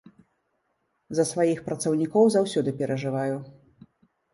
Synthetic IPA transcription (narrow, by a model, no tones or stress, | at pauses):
zɐsvajixpɾɐt̪sɐwnʲikɔwzawsʲɔd̪ɨpʲɛɾʔɐʐɨvaju